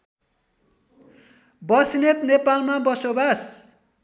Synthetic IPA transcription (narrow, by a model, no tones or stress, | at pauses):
bʌsinet̪nepalmabʌsobas